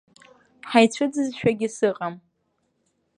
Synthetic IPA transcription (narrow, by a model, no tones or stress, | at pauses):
ħajt͡ɕʷʰɨd͡zɨzʃᶣaɡʲɪsɨqʼam